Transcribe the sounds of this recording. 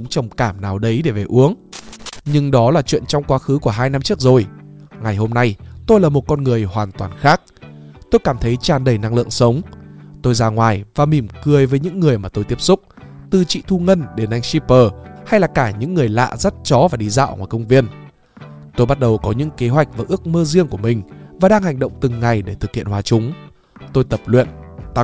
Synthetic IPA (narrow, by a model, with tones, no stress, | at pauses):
ŋ͡mt͡ɕə˨˩wŋ͡mkaː˧˩mnaː˨˩wɗə˨˦jɗe˧˩ve˨˩ʔu˨˦əŋ | ɲɨ˧ŋɗɔ˨˦laː˨˩t͡ɕwḭ˧˨ənt͡ɕɔ˧wŋ͡mkwaː˨˦xɨ˨˦ku˧˩əɦaː˧jna˧mt͡ɕɨ˦˥ək̚zo˨˩jŋa˨˩jho˧mna˧jt̪o˧jlaː˨˩mo˨˩t̚kɔ˧nŋɨ˨˩əjhwaː˨˩nt̪waː˨˩nxaː˦˥k̚t̪o˧jkaː˧˩mt̪ʰə˨˦jt͡ɕaː˧˩nɗə˧˩jna˧ŋlɨ̰˧˨əŋsə˨˦wŋ͡mt̪o˧jzaː˧ŋwaː˨˩jvaː˨˩mi˧˩mkɨ˨˩əjvəː˨˦jɲɨ̰˧˥ŋːɨ˨˩əjmaː˨˩t̪o˧jt̪i˦˥əp̚sʊ˦˥k͡p̚t̪ɨ˨˩t͡ɕḭ˧˨t̪ʰu˧ŋə˧nɗe˧˩nʔa˧jŋ̟si˧˥pəː˨˩ha˧jlaː˨˩kaː˧˩ɲɨ̰˧˥ŋːɨ˨˩əjla̰ː˧˨zə˦˥t̚t͡ɕɔ˨˦vaː˨˩ɗi˧za̰ː˧˨wŋwaː˨˩jkə˧wŋ͡mvi˧ən | t̪o˧jɓa˦˥t̚ɗə˨˩wkɔ˨˦ɲɨ̰˧˥ŋke˨˦ɦwa˨˩jk̚vaː˨˩ʔɨ˦˥ək̚məː˧zi˧əŋku˧˩əmï˨˩ŋ̟vaː˨˩ɗaː˧ŋha˨˩jŋ̟ɗə̰˧˨wŋ͡mt̪ɨ˨˩ŋːa˨˩jɗe˧˩t̪ʰɨ˨˩k̚hḭ˧˨ənhwaː˨˦t͡ɕʊ˨˦ŋ͡m | t̪o˧jt̪ə˨˩p̚lwḭ˧˨ənt̪a˧